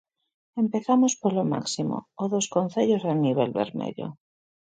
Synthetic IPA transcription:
e̞mpe̞θamospoloma̰ksimo̰oðoskonθeʎozaniβ̞elβḛɾmḛðjo̰

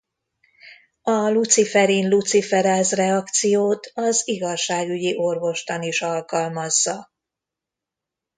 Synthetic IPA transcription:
ɒlut̪sifɛɾinlut̪sifɛɾɛzrɛɒkt̪sijoːt̪ʰɒziɡɒʃːaːɡyɟiʔo̞rvo̞ʃt̪ɒniʃɒlkɒlmɒzːɒ

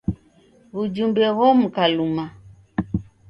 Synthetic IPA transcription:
βud͡ʒumbɛɣɔm̩kaluma

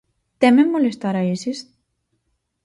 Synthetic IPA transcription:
t̪ememːolest̪aɾaisis

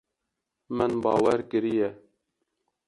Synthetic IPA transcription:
mɨnbɑ̰ːwɛɾkɨɾijɛ

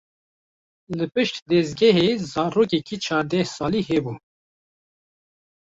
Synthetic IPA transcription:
lɨpɨʃt̪d̪ɛzɡɛɦezɑːɾoːkɛkiːt͡ʃʰɑːɾd̪ɛhsɑːliːɦɛbuː

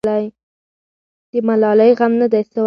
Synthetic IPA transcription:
aj | d̪̥əmalɑləjɣamnad̪ajsaw

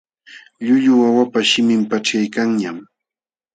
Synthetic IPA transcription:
ʎʊʎʊawapaʃɪmɪmpaʈ͡ʂajkaŋɲam

